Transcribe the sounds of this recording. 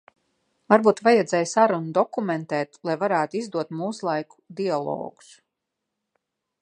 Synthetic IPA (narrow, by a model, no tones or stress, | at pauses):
vaɾbuːt̪vajɛd̪zɛːjsaɾunud̪ɔkumɛnt̪ɛːt̪lˠajvaɾæːt̪uizd̪uɔt̪muːslˠajku̥d̪ialˠɔ̰ːɡu̥s